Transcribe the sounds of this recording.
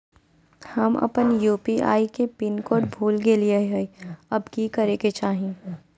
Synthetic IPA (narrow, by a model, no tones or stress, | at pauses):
hɐmɐ̰pənjuːpiʔa̰ːikepɪnkoːɖbʱuːlɡelieɦɛiɐbkiːkɐɾeket͡ʃaːɦẽː